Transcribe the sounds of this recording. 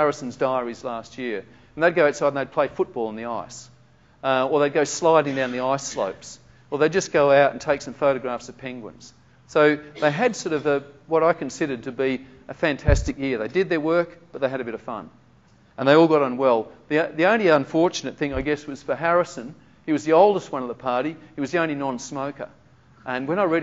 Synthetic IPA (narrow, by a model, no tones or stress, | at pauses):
hæɹɨsn̩zdaɪə˞izlæst̚jɪɹ̃ | n̩ðɨɪd̚ɡoʊaʊtsaɪdⁿn̩ðeɪd̚pʰl̥eɪ̥fʊt̚b̥ɔlˠə̃nðiaɪs | ə˞ðɨt̚ɡ̥oʊslaɪɾɪ̃ŋdãʊ̃nðiaɪslo̰ʊps | wəðeɪd͡ʒʌsɡ̥oʊaʊɾn̩tʰeɪksʌ̃ɱfoʊɾɨɡɹæfsʌv̥pʰɛ̃ŋɡwə̰̃nz̥ | soʊðeɪɨdsɔɾʌvɨwʌɾaɪkʰɨ̃n̩sɪɾə˞d̚tʰɨbi | ɨfæ̃ntʰæstɨkjɪɹðeɪdɨd̪̚ðə˞wɜ˞kb̥ʌt̪̚ðeɪɨɾɨbɪɾʌv̥fʌ̰̃n | ə̃nðeɪɔlˠɡɑɾə̃nwɛlˠðiðiõʊ̃nliʌ̃ɱfɔɹt͡ʃɨnɨt̪̚θɪ̃ŋaɪɡɛswʌz̥fə˞ɦæɹɨsɨ̃n | iwʌzðioʊlˠdəst̚wʌ̃nʌvðəpʰɑɹɾiiwʌzðiõʊ̃nlinɑ̃nsmoʊkə̰˞ | ʔɨ̃nwɨ̃naɪɹɛ